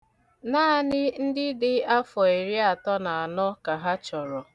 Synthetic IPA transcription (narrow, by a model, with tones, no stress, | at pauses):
naː˦a˦nɪ˦n̩˦dɪ˦dɪ˦a˦fɔ˨e˨ɾi˦a˨tɔ˦na˨a˨nɔ˦ka˨ɦa˦t͡ʃɔ˨ɾɔ˨